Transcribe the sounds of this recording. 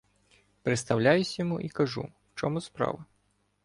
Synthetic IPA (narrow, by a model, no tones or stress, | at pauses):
pɾet̪st̪ɐwlʲajʊsʲjɔmuʔikɐʒṵwt͡ʃɔmʊspɾɑ̰ʋɐ